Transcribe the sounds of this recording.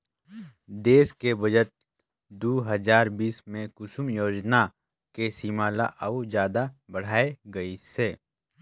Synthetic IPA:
d̪eːskebəd͡ʒət̪̚ | d̪uɦəzaːɾbiːsmẽkʊsʊmjoːd͡ʒna | kesiːmaːlaʔɐud͡ʒjaːd̪abəɽ̤aːeɡɐiseː

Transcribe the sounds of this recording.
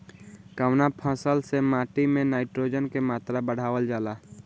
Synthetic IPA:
kəwnapʰə̃səlsemaːʈimẽnaːɪʈɾoːd͡ʒənkemaːt̪ɾabəɽ̤aːwəld͡ʒaːla

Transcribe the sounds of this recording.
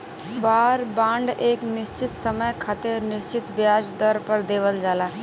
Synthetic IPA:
baːɾbãːɳɖeːknɪʃt͡ʃɪt̪səməjkʰat̪eɾnɪʃt͡ʃɪt̪bjaːd͡ʒd̪əɾpəɾd̪eːʋəld͡ʒaːlaː

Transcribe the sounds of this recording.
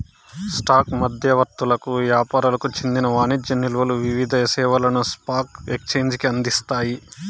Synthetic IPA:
sʈaːkmɐd̪ʱjɐʋɐɾt̪ːulɐkuʋjaːpaːɾulɐkut͡ʃend̪inɐʋaːnid͡ʒjɐnːilʋɐluʋiʋid̪ʱɐɐsɛːʋɐlɐnuspaːkekt͡ʃe̞ːɲd͡ʒkiɐnd̪ist̪aːji

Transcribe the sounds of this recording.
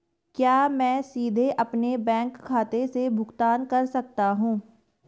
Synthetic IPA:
kjaːmɛ̃ːsiːd̪ʱeʔɐpnebɛ̃ːŋkʰːaːt̪esebʱʊɡt̪aːnkɐɾsɐk̚t̪aɦũː

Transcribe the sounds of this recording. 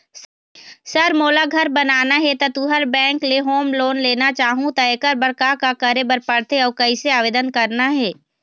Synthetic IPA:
sɐɾmoːlaɡʱɐɾbɐnaːnaɦɛt̪ɐt̪uːɦəɾbɛ̃ːŋkleɦoːmloːnleːnat͡ʃaːɦũt̪ɐekəɾbəɾkakakɐɾebəɾpɐɽt̪eɔːɾkɐiseaːʋeːd̪ənkɐɾnaɦɛː

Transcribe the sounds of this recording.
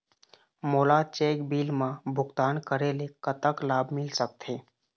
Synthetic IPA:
moːlat͡ʃeːkbiːlmãbʱʊkt̪aːnkəɾelekət̪əklaːbmɪlsək̚t̪ʰeː

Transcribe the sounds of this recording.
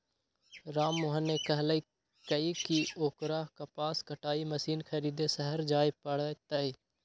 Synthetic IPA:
ɾaːmːʊɦənːekɐɦləi | kɐikioːkɾaːɦkapaːskəʈaːimɐsiːnkʰɐɾiːd̪esəɦəɾd͡ʒaːepəɽt̪əiː

